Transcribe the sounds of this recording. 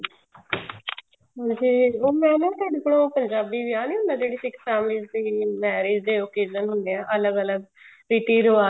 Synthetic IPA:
ɦãːd͡ʒiːoːmɛ̃ːnãːt̪aːɖekəɽõːpəɲd͡ʒaːbiːʋiːaːniːɦʊnːãd͡ʒeːɽiːsɪkfɛːmliːd͡ʒd̪iːmɛːɾeːd͡ʒd̪eːoːkeːd͡ʒənɦʊnd̪eːãːʔələɡələɡ | ɾiːʈiːɾoːaː

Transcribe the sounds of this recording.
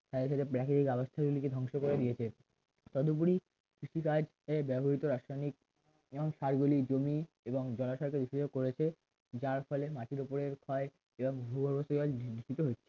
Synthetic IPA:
t̪ad̪eʃat̪epɾɛkit̪ikabost̪ʰaɡuliked̪ʱɔŋʃokoɾed̪ijet͡ɕʰe | t̪ɔd̪op̬uɾi | kɾiʃikad͡ʑ | ebɛbʱoɾit̪oɾaʃɾajnik̚ | ŋʃaɾɡulid͡ʑomi | eboŋd͡ʑɔlaʃɔɾk̬ed̪iʃed͡ʑoɡkoɾet͡ɕʰe | d͡ʑaɾfɔlematʰiɾopoɾeɾkʰɔe | eboŋbʱubʱoɾbosoɔlniʃʈit̪oɦotːɕʰe̥

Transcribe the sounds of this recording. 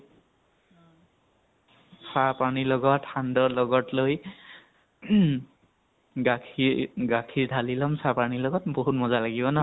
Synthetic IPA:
sapanilɔɡɔtxandɔlɔɡɔtloj | ɡakʰiɡakʰiɹdʱalilɔmsapanilɔɡɔtboɦut̚mɔzalaɡibɔna

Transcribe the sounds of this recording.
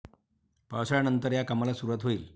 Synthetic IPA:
pawsɭanənt̪əɾjakamalasuɾuʋat̪ɦoiːl

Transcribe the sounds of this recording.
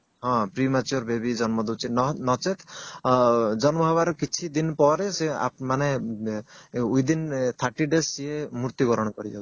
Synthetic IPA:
ɦɔ̃pɾimat͡ʃuoɾbebid͡ʒɔnmɔd̪ut͡ʃʰinɔt͡ʃet̪ʰ | d͡ʒɔnmɔbʱɔbaɾɔkit͡ʃʰid̪inpɔɾesea̰mane | ujd̪int̪ʰaʈiɖesiemuɾt̪iɡɔɾɔɽ̃kɔɾḭɔ̰

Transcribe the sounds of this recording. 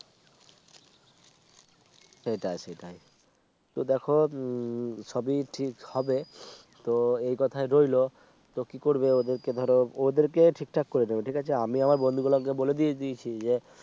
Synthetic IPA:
ʃejʈajʃejʈaj | t̪od̪ɛkʰo | ʃɔbiʈʰikhɔbe | t̪oejkɔt̪ʰaeɾojlo | t̪okikoɾbeod̪eɾked̪ʱɔɾood̪eɾkeʈʰik̚ʈʰakːoɾenebeʈʰikat͡ɕʰeamiamaɾbond̪ʱuɡulakeboled̪ied̪iet͡ɕʰid͡ʑe

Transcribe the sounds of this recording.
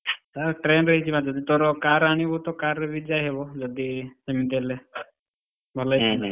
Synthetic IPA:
səɾʈɾenɾəɦit͡ʃʰimãd͡ʒɔd̪it̪ɔɾɔkaɾaɽ̃ibɔt̪ɔkaɾəʋid͡ʒajɦebɔd͡ʒɔd̪isəmit̪̬ele | bʱɔlajʰi

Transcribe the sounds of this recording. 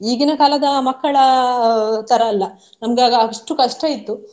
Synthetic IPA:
iːɡinɐkaːlɐd̪ɐmɐkːɐɭɐ | t̪ʰɐɾɐːlːɐ | nɐmɡaːɡɐaɡɐʂʈukɐʂʈɐit̪ːu

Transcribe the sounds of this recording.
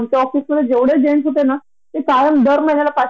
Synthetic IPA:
mk̪aɔfisməd̪ʱːjed͡ʑeʋɽed͡ʑeɳsɦot̪ena | ɦekajəmd̪əɾməjnjalapa

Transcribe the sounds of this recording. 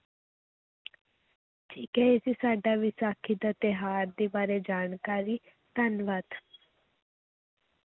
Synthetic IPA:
t͡ʃikɛesisaːɖaʋɪsaːkʰid̪at̪eɦaːɾd̪ebaːɾed͡ʒaːnkaːɾi | t̪ɐnʋat̪

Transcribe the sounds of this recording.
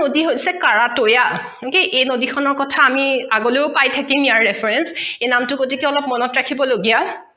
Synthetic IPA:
odiɦojsɛkaɹatoja | okeʔejnodixʰɔnɔɹkɔtʰaːmiaɡoleʊpajtʰakimijaɹːɛpʰɹɛnsejnamtʊkotikɛɔlɔp̚mɔnɔtɹakʰibɔloɡija

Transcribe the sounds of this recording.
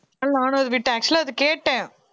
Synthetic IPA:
aːnaːnɯɐðɯʋɪʈːɐk̚t͡ʃliɐðɯkeːʈːẽː

